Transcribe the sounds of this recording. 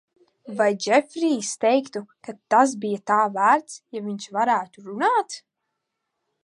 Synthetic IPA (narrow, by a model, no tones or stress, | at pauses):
vajd͡ʒɛfɾiːst̪ɛjkt̪ukat̪ːas̬bijat̪aːvæːɾt̪sjaviɲt͡ʃvaɾæːt̪uɾunaːt̪